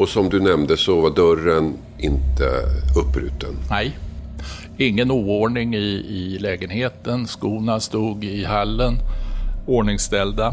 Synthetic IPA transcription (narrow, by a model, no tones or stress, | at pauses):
ɔsɔmd̪ɵnɛmd̪əsɔvad̪œɾən | ɪnt̪ʰə̰ɵpːɾʉ̟̰ːt̪ənnɛj | ɪŋːənuːoɳɪŋɪɪlɛːɡənheːt̪ənskuːnast̪uːɡɪhalːən | oːɳɪŋst̪ɛld̪a